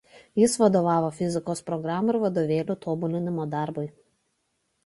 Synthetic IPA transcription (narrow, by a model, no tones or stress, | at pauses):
jɪsʋɐd̪oːʋɑːʋoːfʲɪzʲɪkoːspɾɔɡɾɑːmʊɪɾʋɐd̪oːʋʲeːlʲuːt̪oːbʊlʲɪnʲɪmoːd̪ɑˑɾbʊɪ